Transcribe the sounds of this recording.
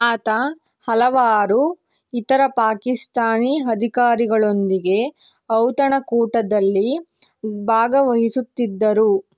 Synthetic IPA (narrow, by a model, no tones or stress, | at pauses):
aːt̪ɐ | hɐlɐʋaːɾu | it̪ɐɾɐpaːkist̪aːniɦɐd̪ʱikaːɾiɡɐɭo̞nd̪iɡe̞ | ɐwt̪ɐɳɐkuːʈɐd̪ɐlːi | bʱaːɡɐʋɐɦisut̪ːid̪ːɐɾu